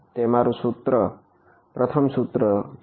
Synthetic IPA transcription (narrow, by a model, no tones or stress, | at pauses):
t̪emaɾusut̪ɾʌ | pɾʌt̪ʰʌmsut̪ɾʌ